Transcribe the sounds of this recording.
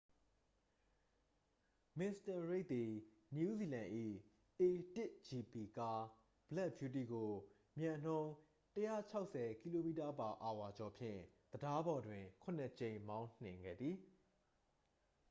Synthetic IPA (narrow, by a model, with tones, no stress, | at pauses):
mɪ˨sta˨ɹe˦ɪʔ̪̚t̪i˨ | nju˦zi˨lã˨ʔḭ˦˨ | e˨tɪ˦˨ʔd͡ʑi˨pi˨ka˦ | b̥lɛ˦˨ʔbju˦t̬i˦˨ɡo˨ | mjã˨n̥õ˦ʊ̃ | təjä̰˦˨t͡ɕʰa˦ʊʔsɛ˨ki˦lo˨mḭ˦˨ta˨pa˨ʔa˨wa˨d͡ʑɔ˨pʰjɪ̰̃˦˨d̪̥əda˦bɔ˨dwɪ̃˨kʰʊ̃˨nə˨t͡ɕẽ˨ɪ̃mã˦ʊ̃n̥ɪ̃˨ŋɡɛ̰˦˨d̪ði˨